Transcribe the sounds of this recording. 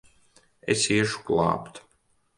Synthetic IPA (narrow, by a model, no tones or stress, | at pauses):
ḛsiɛʃu̥klˠa̰ːpt̪